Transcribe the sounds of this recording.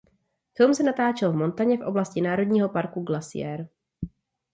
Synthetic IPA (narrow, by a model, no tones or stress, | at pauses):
fɪlmsɛnat̪aːt͡ʃɛlvmo̞nt̪aɲɛfʔo̞̰blascɪnaːɾo̞dɲiːɦo̞paɾkuɡlasɪ̰jɛ̰ɾ